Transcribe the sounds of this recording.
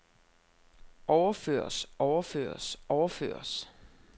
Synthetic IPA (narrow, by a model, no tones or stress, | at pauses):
ɒʊɐfø̰ːɐ̰sɒʊɐfø̰ːɐsɒʊɐfø̰ːɐs